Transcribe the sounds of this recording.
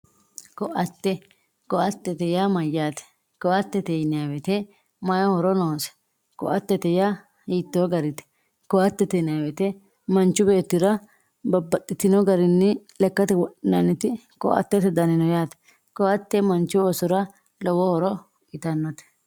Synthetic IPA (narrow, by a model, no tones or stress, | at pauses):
kɔʔɐt̪ːɛ | kɔʔɐt̪ːɛt̪ɛjamɐjːaːt̪ɛ̥ | kɔʔɐt̪ːɛt̪ɛjnɪjawɛt̪ɛ | mɐjɔhɔɾɔnoːsɛ̥ | kɔ̰ʔɐt̪ːɛt̪ɛja | hiːt̪ːoɡɐɾɪt̪ɛ̥ | kɔʔɐt̪ːɛt̪ɛnɪjabɛt̪ɛ | mɐnt͡ʃːʊbe̞ːt̪ːɪɾɐ | bɐbːɐt̪ʼːɪt̪ɪnɔɡɐɾɪnːɪlɛkːɐt̪ɛwɔʔɪnɐnːɪt̪ɪ | kɔ̰ʔɐ̰t̪ːɛt̪ɛd̪ɐnɪnɔjaːt̪ɛ̥ | kɔʔɐt̪ːɛmɐnt͡ʃːʊɔsɔɾɐ | lɔwɔhɔɾɔ | ɪt̪ɐnːɔt̪ɛ̥